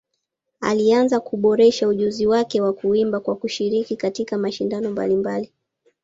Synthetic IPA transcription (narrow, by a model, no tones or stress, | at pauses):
a̰lianzakuɓɔɾɛʃauʄuziwakɛwakuimbakwakuʃiɾikikatikamaʃindanɔmba̰limbali